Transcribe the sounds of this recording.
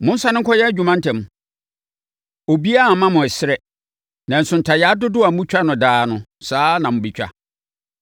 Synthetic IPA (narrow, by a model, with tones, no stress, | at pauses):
mʊ̃˦n̩˦sa˦nɪ̃˦ŋ̩˦kʰɔ˦jɛ˦æ˦d͡ʑᶣu˨mã˦ntʰɛ̃˨m˨ | o˨bi˦a˦˨mã˦mʊ̃˨ɛ˨sɪ˦ɾɛ˦ | nã˨n̩˨sʊ̃˨n̩˨tʰa˨jɛ˨a˦dʊ˦dʊ˦a˨m̩˦ũ˦t͡ɕᶣa˦nʊ̃˨daː˦nʊ̃˨saː˦nã˨mʊ̃˨bi˨t͡ɕᶣa̰˦